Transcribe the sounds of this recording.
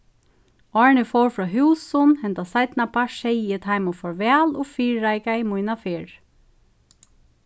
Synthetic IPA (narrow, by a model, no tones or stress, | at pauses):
ɔːɹnɪfowɹfɹɔːɦʉːsʊnhɛnt̪asaɪt̪napaʃɛjɪt̪ʰaɪmʊfɔɹʋɛːlɔːfiːɹːaɪkaɪmujnafeːɹ